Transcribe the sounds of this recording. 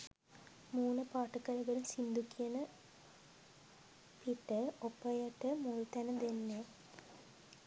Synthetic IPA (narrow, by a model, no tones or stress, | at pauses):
muːnəpaːʈɐkɐlɐɡɐɾumsind̪ukːijɐnə | piʈːəopːɐjɐʈːəmoɻit̪ɛnɐd̪enːe